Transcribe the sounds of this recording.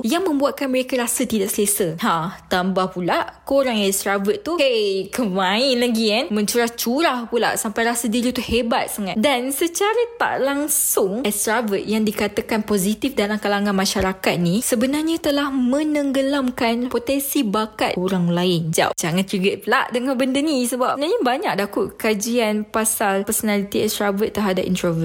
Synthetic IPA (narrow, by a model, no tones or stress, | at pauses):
jaŋmə̃mbuat̪̚kanməɾekaɾasat̪idaʔsəlasəhat̪ambahpulaʔʔkoɾaŋãst̪ɾavət̪̚ːuhekəmainlaɡianmə̃ɲt͡ʃuɾaht͡ʃuɾahpula̰ʔsampajɾasədiɾit̪uhebat̪̚saŋat̪dansət͡ʃaɾat̪a̰ʔlaŋsʊŋɛst̪ɾavət̪̚jaŋdikat̪akanpozit̪ifdalamkalaŋãnmaʃaɾakat̪̚nisəbənarɲãt̪əlahmə̃nəŋɡəlamkanpot̪ɛnsibakat̪̚oɾaŋlaɪnd͡ʒa̰d͡ʒaŋãniɡəʔ̚pəlaʔdəŋanbəndənisəbap̚ənarɲabaɲak̚dakʊt̪kad͡ʒianpasalpərsonalit̪iɛstɾavət̪ːərɦadaʔḭnt̪ɾovə